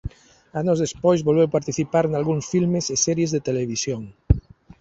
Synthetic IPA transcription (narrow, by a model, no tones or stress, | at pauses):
anozðespojzβolβewpaɾt̪iθipaɾenalɣuŋsfilmesesɛɾjezðet̪eleβ̞isjoŋ